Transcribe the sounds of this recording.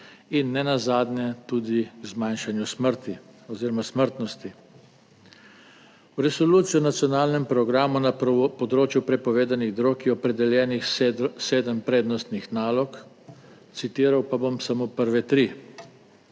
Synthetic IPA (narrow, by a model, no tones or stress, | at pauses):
inːɛnazaːd̪njɛt̪uːd̪izmajnʃanjusməɾt̪iɔziːɾɔmasməɾt̪nɔst̪i | wɾɛsɔluːt̪sijɔnat̪sjɔnaːlnɛmpɾɔɡɾaːmunapɔd̪ɾoːt͡ʃjupɾɛpɔʋeːd̪aniɣd̪ɾokiɔpɾɛd̪ɛljɛːnixseːd̪əmpɾeːd̪nɔst̪nixnaːlɔk | t̪sit̪iːɾawpabomsamoːpəɾʋɛt̪ɾi